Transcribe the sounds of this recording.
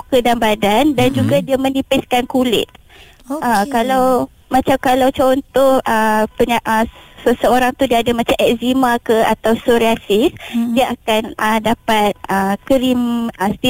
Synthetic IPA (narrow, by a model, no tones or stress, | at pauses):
kədanbadandand͡ʒuɡadiamə̃nĩpɪskankulɪ̰t̪̚ | ʔəkalaw | mãt͡ʃamkalawt͡ʃɔnt̪oʔəpəɲaʔəsəsəoɾaŋt̪udiaadəmãt͡ʃamʔɛk̚zimãkəa̰t̪awsoɾiasisdiaʔakanʔədapat̪̚əkəɾiməst̪i